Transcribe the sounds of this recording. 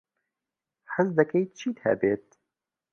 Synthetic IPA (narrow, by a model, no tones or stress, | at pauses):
ħəzd̪ɛkɛjt͡ʃʰiːt̪hɛ̰beːt̪̚